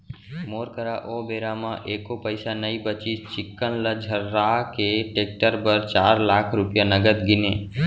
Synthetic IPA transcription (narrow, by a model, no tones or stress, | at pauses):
moːɾkəɾaʔoːbeːɾamãʔeːkopəɪsanəibət͡ʃit͡ʃɪkːənləd͡ʒʱəɾːaːkeʈeːk̚ʈəɾpəɾt͡ʃaːɾlaːkʰɾʊpjanəɡəd̪ɡɪneː